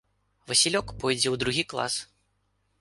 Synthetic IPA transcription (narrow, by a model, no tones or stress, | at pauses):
vɐsʲilʲɔkpɔjd͡zʲɛwd̪ɾuɣʲiklˠa̰s